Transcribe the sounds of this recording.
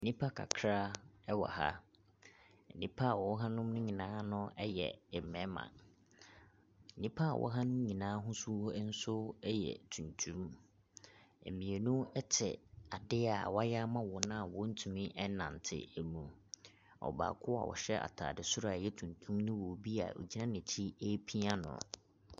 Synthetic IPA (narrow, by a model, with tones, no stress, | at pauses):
nĩ˦pʰa˦kʰa̰˨kʰɾa˦ɛ˦wɔ̰˨ha̰˦ | n̩˨nĩ˦pʰa˦a˨wɔ˨ɔ˦ɦã˦nʊ̃˦mnʊ̃˦ɲĩ˨nãː˦nʊ̃˦ɛ˦jɛ̰˨mɛ̃˨˦mã̰˨ | n̩˨nĩ˦pʰa˦a̰˨wʔɔ̰˦ɦã˦nʊ̃˦m˦ɲĩ˨nãː˦ɦʊ̃˦su˦hɔ˦n̩˦sʊ˦jɛ̰˨tʰũ˨ntʰũ˦m | ḛ˨mĩ˨e˨nũ˦ɛ˦t͡ɕʰɪ̰˨a˨dɪ˦a˨wja˦mã˦wɔ˨nã˦˨wɔ˦n̩˦tʰu˨mĩ˦ʔɛ˦nã̰˨n˨tʰɪ̰˦˨æ˨mũ˨ | ɔ̰˨ba̰ː˨kʰʊ˦a̰˨wɔ̰˨ɕɛ˦a̰˨tʰa̰ː˨dɪ˨sʊ˦ɾa˨jɛ˦tʰũ˨ntʰũ˦mnʊ̃˦wo˨bi˦a̰˨o̰˨d͡ʑi˦nã˦nɪ̃˨t͡ɕʰi˦e˦pʰi˦a˦nʊ̰̃˨